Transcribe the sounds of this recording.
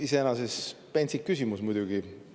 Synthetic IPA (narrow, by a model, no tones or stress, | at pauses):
ise̞enɑsespenʲsikːysimusmujd̪̥uɡ̥i